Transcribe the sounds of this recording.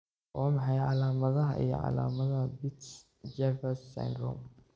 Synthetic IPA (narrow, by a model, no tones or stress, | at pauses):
ʔɔːmɑħɑjʕɑlaːmɐðɐɦɐ̰ʔḭjɔ̰ʕɑ̰la̰ːmɐðɐɐbɪt̪s | d͡ʒɛvɛsːɛ̰nɡ̪ɾɔ̰m